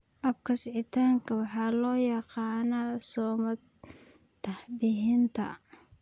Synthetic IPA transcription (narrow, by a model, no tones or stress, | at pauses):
ʔɐbkʰɐsʕɪt̪ʰaːŋkʰɐwɑħɑːlɔːjɑqɑːnɐsɔːmɐ | t̪ʰɐhbɪɦɪnt̪ʰɐ̰